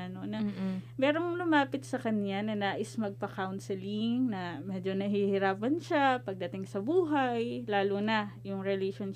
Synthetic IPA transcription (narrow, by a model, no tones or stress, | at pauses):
ɐnonɐmɛːɾo̞ŋlʊmaːpɪt̪̚sɐkɐnjanɐnaːʔɪsmɐɡ̚pɐkawnsɛlɪŋnɐmɛːd͡ʒo̞nɐɦihɪɾaːpɐnʃapɐɡ̚d̪ɐt̪ɪŋsɐbuːɦajlaːlunɐjʊŋɾɛleʃon